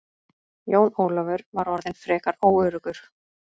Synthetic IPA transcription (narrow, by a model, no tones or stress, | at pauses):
joːwnoːwlɔvʏɾvaɾɔɾðɪnfɾɛːkaɾoːwœːɾʏkʏɾ̥